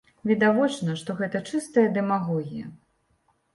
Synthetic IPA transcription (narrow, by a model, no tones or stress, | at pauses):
vʲid̪avɔt͡ʂnɐʂt̪ɔɣɛt̪ɐt͡ʂɨst̪ɐjɐd̪ɛmaɣɔɣʲijɐ̰